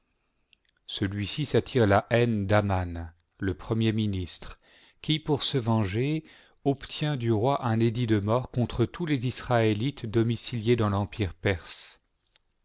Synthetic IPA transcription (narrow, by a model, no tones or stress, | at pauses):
səlɥisisat̪ʰiʁlaʔɛnd̪aman | ləpχəmjeminist̪χ | kʲipuʁsəvɑ̃ʒe | ɔpt̪ʰjɛ̃d̪yʁwaʔɛ̃ned̪id̪əmɔʁkɔ̃t̪χət̪ulezisχaelit̪d̪ɔmisiljed̪ɑ̃lɑ̃piʁpɛʁs